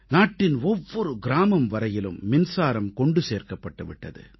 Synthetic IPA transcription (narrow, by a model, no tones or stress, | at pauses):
naːʈːɪnɔʋːɔɾɯɡɪɾaːmɐmʋɐɾɐjɪlɯ̰mːɪnsaːɾɐmkɔɳɖɯseːɾkɐpːɐʈːɯʋɪ̰ʈːɐ̰ðɯ̰